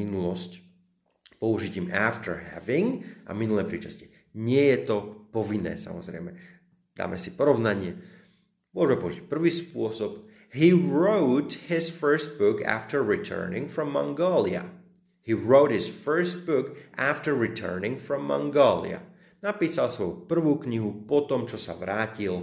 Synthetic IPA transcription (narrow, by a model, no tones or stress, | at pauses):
inulɔsc | pɔuʒicimaft̪əɹɦɛ̰ʋiŋʔa̰minulɛːpɾiːt͡ʃasci̥ | ɲɪɛjɛt̪ɔpɔʋinːɛ̰ːsa̰mɔ̰zɾɛ̰ɪmɛ | d̪a̰ːmʔɛsipɔɾɔʋnaɲɪɛ | mʊɔʒmɛpɔuʒic̚pr̩ʋiːspʊɔsɔp | ɦiːɹoʊt̪hisfəɹst̪̚bʊkʰa̰ft̪əɹːit̪ʰɜ̰ːnḭ̃ŋfɾɔmːa̰ŋɡɔlia̰ | hiːɹoʊtɦisfɜ˞st̪̚bʊkʔaft̪əɹːit̪ʰɜ̰ːnĩŋfɾɔmːa̰ŋɡɔːlḭa̰ | napiːsalsʋɔjupr̩ʋuːkɲiɦupɔt̪ɔmt͡ʃɔsa̰ʋɾaːcil